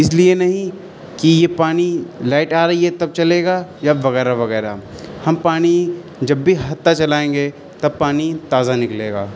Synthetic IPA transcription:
ɪslienɐɦĩ | kijepaːnilaːɪʈaːɾɐɦiɦɛt̪ɐb̚t͡ʃɐleːɡajaʋɐɣɛːɾaʋɐɣɛːɾa̰hɐmpaːñi | d͡ʒɐbːʱiɦɐt̪ːat͡ʃɐlaːẽːŋɡe | t̪ɐb̚paːnit̪aːzanɪkleːɡaː

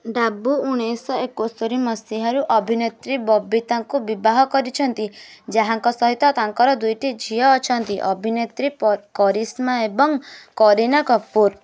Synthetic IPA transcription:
ɖabuuɽ̃ejsɔekosoɾimɔsiɦɔɾuʔɔbʱinet̪ɾibɔbit̪aŋkubibaɦɔkɔɾit͡ʃʰɔnt̪id͡ʒaɦaŋkɔsɔɦit̪ɔt̪aŋkɔɾɔd̪ujʈid͡ʒʱijɔːt͡ʃʰɔnt̪iʔɔbʱinet̪ɾikɔɾismaebɔŋkɔɾinakɔpːuɾ

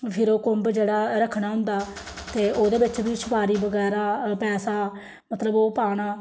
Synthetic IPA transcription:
pʰɪɾoːkʊmbd͡ʒeːɽaːɾəkʰːɽaːɦʊ̃nd̪aːt̪eːʔoːd̪eːbɪt͡ʃbiːsʊpaːɾiːbəɡɛːɾaːpɛːsaː | mət̪ləboːpaːɽ̃aː

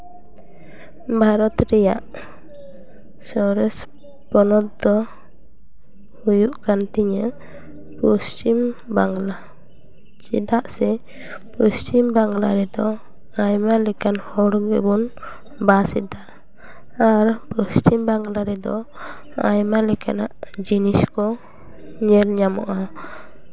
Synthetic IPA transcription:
bʱaɾɔt̪ɾɛja̰ʔ | sɔɾɛs | pɔnɔt̪̚d̪ɔ | hujuʔkant̪iɲə | pɔst͡ʃimbaŋɡla | t͡ʃḭd̪aʔsɛ | pɔst͡ʃimbaŋɡlaɾɛd̪ɔ | ajmalɛkanhɔɽɡəbɔn | basɛd̪aʔː | ɾpɔst͡ʃimbaŋɡlaɾɛd̪ɔ̰ | a̰jmalɛkana̰ʔd͡ʒiniskɔ | ɲɛlɲamɔ̰ʔa

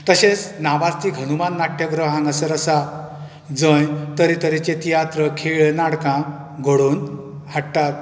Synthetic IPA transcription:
t̪əɕẽt͡snaʋaɾt̪iɡʱənumanːaʈjəɡɾəɦãŋɡəsəɾəsa | d͡zə̃jt̪əɾit̪əɾit͡ɕet̪ijat̪ɾəkʰeɭnaɽkã | ɡʱoɽuːn | haʈt̪at̪̚

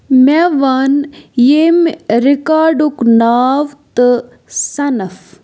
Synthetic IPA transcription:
mɛʋanjemɾikaːɖuknaːʋt̪ɨ | sɐnɐf

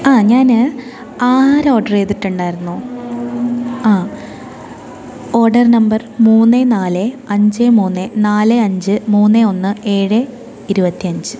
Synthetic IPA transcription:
aːɲaːnɨ | aːɾoːrɖɐreːt̪ːiʈːuɳɖaːjɾunːu | aː | o̞ːrɖɐrnɐmbɐrmuːnːenaːlɨɐɲd͡ʑemuːnːenaːlɨɐɲd͡ʑɨmuːnːeo̞nːɨe̞ːɻɨ | iɾubɐt̪ːiɐɲd͡ʑɨ

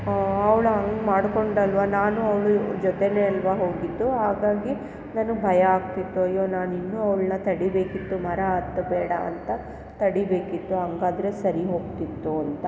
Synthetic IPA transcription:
ɐʋɭuɦɐŋɡmaːɽko̞ɳɖɐlʋɐnaːnuɐʋɭud͡ʒɔt̪eneɐlʋɐɦo̞ːɡid̪ːuɦaːɡaːɡi | naːnubʱɐjɐaːɡt̪it̪ːuɐjːoːnaːninːuɐʋɭnɐt̪ɐɽibe̞ːkit̪ːumɐɾɐaːt̪ːɐbɛːɽɐɐ̰nt̪ɐ | t̪ɐɽibe̞ːkit̪ːuɦɐŋɡaːd̪ɾe̞sɐɾiɦo̞ːɡt̪it̪ːuɐnt̪ɐ

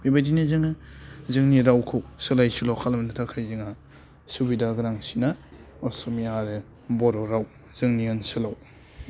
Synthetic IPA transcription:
bebajdinizɯŋazɯŋniɾawkʰɯwsɯlajsulawkʰalmnatʰakʰajzɯŋa | subidaɡɯɾaŋsina | ɔsɔmiaɾe | bɔɾɔɾaw | z̥ɯŋniansɯlaw

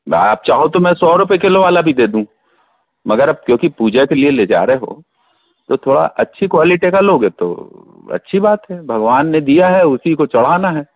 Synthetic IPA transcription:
a̰ːp̚t͡ʃaːɦot̪omɛ̃sɔːɾʊp̬ekeloʋaːlabʱid̪eːd̪ũː | mɐɡəɾɐb̚kjõːkipuːd͡ʒekelieleːd͡ʒa̰ːɾeɦo̰ | t̪ot̪ʰoːɽa̰ʔɐtːʃʰikwaːlɪʈekaloːɡɦɛt̪o̰ | ɐ̰tːʃʰibaːt̪ɦɛbʱɐɡʋaːnːed̪ijaɦɛʊsikot͡ʃɐɽ̤aːnaɦɛː

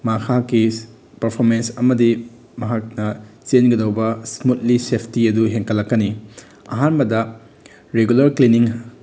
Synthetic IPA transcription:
makʰakːi | pɐɾpʰoɾmensɐmɐdi | mɐɦak̚nɐt͡ʃenɡɐdɐwbɐsmut̚lisepʰtiɐduɦeŋkʰɐlːɐkːɐni | ɐ̰ɦanbɐdɐ | ɾeɡulɐɾkliniŋ

